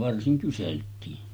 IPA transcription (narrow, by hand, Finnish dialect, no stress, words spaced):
ʋɑrsiŋ kyseltiːn